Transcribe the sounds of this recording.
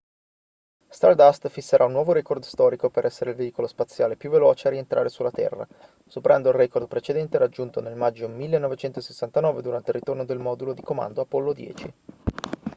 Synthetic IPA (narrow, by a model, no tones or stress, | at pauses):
st̪ard̪ast̪fisːeɾʔaunːwɔːvoɾɛkord̪st̪ɔːɾikopeɾʔɛsːeɾeilveiːkolospat̪sːjaːlepjuvːelɔːt͡ʃeaɾient̪ɾʔa̰ːɾesulːat̪ɛ̰rːa̰ | sopeɾand̪oilrɛkord̪̚pɾet͡ʃed̪ɛnt̪eɾad͡ʒːunt̪onelmad͡ʒːomilːenːɔvet͡ʃɛnt̪osesːant̪anɔːved̪uɾant̪eilrːit̪ornod̪elmɔd̪ulod̪ikoma̰nd̪oapɔlːod̪jɛ̰ːt͡ʃi